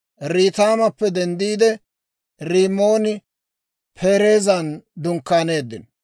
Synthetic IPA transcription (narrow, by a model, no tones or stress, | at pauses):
ɾiːt̪aːmɐpːɛd̪ɛnd̪iːd̪ɛ | ɾiːmːo̞ːnɪ | pʰe̞ːɾe̞ːzɐnd̪ʊŋkːaːne̞ːd̪ːɪn